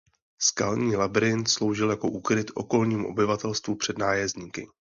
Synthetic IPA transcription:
ska̰lɲiːlabɾɪnt̪slo̞wʒɪljako̞ʔuːkɾɪt̪ʔo̞̰ko̞lɲiːmuʔo̞̰bɪvat̪ɛlst̪vupr̥ɛdnaːjɛzɲiːkɪ̰

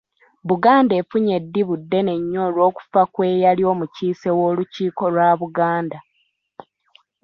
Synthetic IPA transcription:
βuɡaːnde̞ːfuɲe̞dːiβudːe̞ne̞ɲːoːlwo̞ːku̥fakwe̞ːjalio̞ːmuciːse̞wo̞ːluciːko̞lwaβuɡaːnda

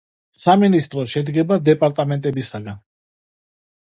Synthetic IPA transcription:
saminist̪ʼɾɔʃɛd̪ɡɛbad̪ɛpʼaɾt̪ʼamɛnt̪ʼɛbisaɡan

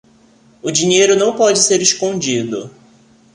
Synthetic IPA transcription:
ʊd͡ʒĩɲejɾʊnɐ̃w̃pɔd͡ʒɪseɾeʃkõd͡ʒid̪ʊ̰

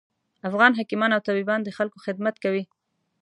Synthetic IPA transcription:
afɣɑnɦakimɑnawt̪abibɑnd̪əxalkoxɪd̪̚mat̪kawi

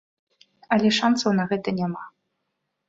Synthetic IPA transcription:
ɐlʲɛʂansɐwnɐɣɛt̪ɐnʲama

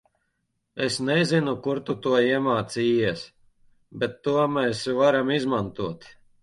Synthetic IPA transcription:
esnezinukuɾt̪ut̪uɔiɛmaːt̪siːiɛs | bʲet̪ːuɔmɛsvaɾamizmant̪uɔt̪

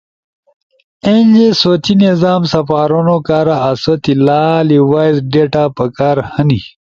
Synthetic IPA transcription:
enʲd͡ʑesoːt͡ɕinezaːmsɐpaːɾonokaːɾaːsot̪ilaːliwaːjzɖeʈapɐkaːɾhəni

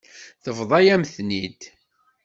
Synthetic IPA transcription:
θəvðˤɑjæmθnid̪

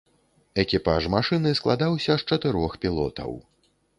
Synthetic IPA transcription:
ɛkʲipa̰ʂmaʂɨnɨsklˠad̪awsʲɐʂt͡ʂɐt̪ɨɾɔxpʲilˠɔ̰t̪ɐ̰w

